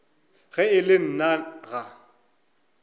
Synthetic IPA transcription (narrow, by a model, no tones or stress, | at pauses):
ɣɛɪlɪn̩naɣa